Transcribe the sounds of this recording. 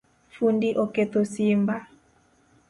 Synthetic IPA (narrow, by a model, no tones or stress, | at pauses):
fundiʔɔkɛt̪osimba